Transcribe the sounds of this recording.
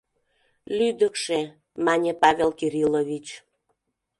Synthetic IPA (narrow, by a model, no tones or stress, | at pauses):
lyd̪əkʃe | mɑnʲepɑvʲelkiɾiloβʲit͡ɕ